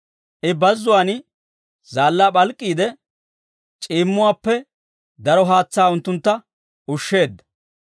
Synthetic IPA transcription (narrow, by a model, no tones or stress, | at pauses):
ʔɪbɐzːʊwaːn | zaːlːaːɓɐlkʼːiːd̪ɛ | t͡ʃʼiːmːʊwaːpːɛ | d̪ɐɾɔɦaːt͡sːaːʊnt̪ːʊnt̪ːɐ | ʊʃːe̞ːd̪ːɐ̥